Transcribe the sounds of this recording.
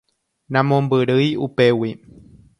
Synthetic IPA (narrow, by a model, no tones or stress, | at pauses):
nãmõmbɨɾɨjupewi